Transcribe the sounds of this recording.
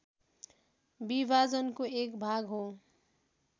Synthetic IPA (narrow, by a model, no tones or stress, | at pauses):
bibʱad͡zʌnkoekbʱaɡɦo